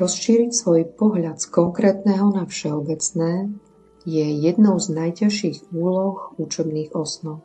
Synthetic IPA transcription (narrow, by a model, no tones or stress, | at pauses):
ɾɔsʃiːɾicsʋɔjpɔɦʎat̪skɔŋkɾɛːt̪nɛːɦɔnafʃɛɔbɛt͡snɛː | jɛjɛd̪nɔʊznajcaʃiːɣuːlɔxut͡ʃɛbniːɣɔsnɔʊ